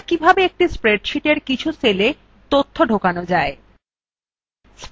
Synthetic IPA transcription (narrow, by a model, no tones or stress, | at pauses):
kibʱabeek̚ʈispɾeɖʃiʈeɾkit͡ɕʰusele | t̪ot̪ʰːoɖʱokanod͡ʑae | s